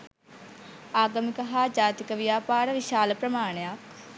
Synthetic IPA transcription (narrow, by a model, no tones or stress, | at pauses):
aːɡəmikəɦad͡ʒaːt̪ikəʋijaːpaːɾəʋiʃaːləpɾəmaːɳejak̚